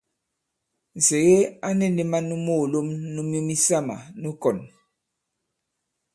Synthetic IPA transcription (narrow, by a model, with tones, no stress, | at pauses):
n̩˨se˨ɣe˦a˦nɛ˦ne˨ma˦nu˦mo˦˨lo˦mnu˦mjo˦mi˦sa˦ma̰˨nu˦kɔ˨n